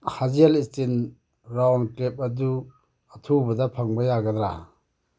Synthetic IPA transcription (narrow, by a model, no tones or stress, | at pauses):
hazalistin | ɾawnkɾep̚ɐdu | atʰubɐdapʰaŋbajaɡadɾa̰